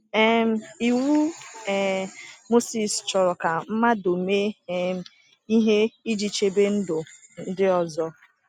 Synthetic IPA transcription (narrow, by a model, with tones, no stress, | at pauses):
ɛ˦m̩˦i˨wu˦ɛ˨mo˦si˨st͡ʃɔ˨ɾɔ˨ka˨m̩˦ma˦do˨me˦˨˦ | i˦ɦe˦i˦d͡ʒi˨t͡ʃe˦be˦n̩˦dʊ˨n̩˦dɪ˦ɔ˨zɔ˦